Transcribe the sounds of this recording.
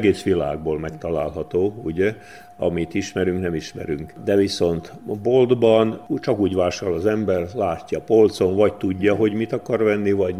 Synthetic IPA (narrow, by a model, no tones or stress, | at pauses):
ɡeːsʋila̰ːɡ̚boːlmɛkt̪ɒlaːlɦɒt̪oːuɟɛ | ɒ̰mit̪iʃmɛɾyŋknɛmiʃmɛ̰ɾyŋkd̪ɛviso̞nt̪bold̪bɒnt͡ʃɒkuːɟvaːʃɒlɒzɛmbɛrlaːcʲːɒpolt̪soɱvɒct̪uɟːɒɦo̞ɟmit̪ɒkɒrʋɛnːivɒɟ